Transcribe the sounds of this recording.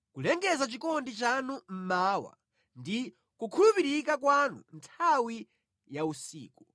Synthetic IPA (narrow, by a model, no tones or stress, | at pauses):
kulɛŋɡɛzat͡ʃikɔndit͡ʃanum̩maːwa̰ | ndi | kukʰulupiɾikakwanṵntʰawi | jausḭːku